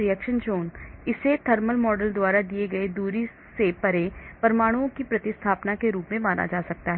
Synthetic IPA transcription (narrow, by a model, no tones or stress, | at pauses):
ɾɪɛkʃənd͡ʒoːnɪset̪ʰɐɾməlmɔːɖəld̪waːɾad̪ieɡɐed̪uːɾi | sepɐɾepɐɾmaːɽ̃uõkipɾɐt̪ɪst̪ʰaːpnakeɾuːpmẽmaːna̰d͡ʒaːsɐk̚t̪aɦɛ